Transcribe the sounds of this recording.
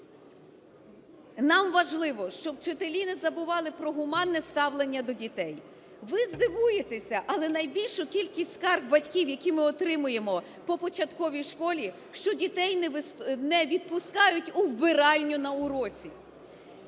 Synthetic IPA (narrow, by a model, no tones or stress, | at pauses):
nɑmʋɐʒlˠɪʋɔʃt͡ʃɔwt͡ʃet̪elʲinɪzɐbʊʋɑlˠɪpɾɔɦʊmɑnːɛst̪ɑwlˠenʲːɐd̪ɔdʲit̪ɛj | ʋɪzd̪ɪʋujet̪esʲɐʔɐlˠɛnɐjbʲilʲʃʊkʲilʲkʲisʲtʲskɑrxbɐtʲkʲiwjɐkʲimɪɔt̪ɾɪmʊje̞mɔ | pɔpɔt͡ʃɐt̪kɔʋʲijʃkɔlʲi | ʃt͡ʃɔdʲit̪ɛjnɛʋʲid̪̚pʊskɑjʊtʲʊwbɪɾɑlʲnʲʊnɐʊɾɔt͡sʲi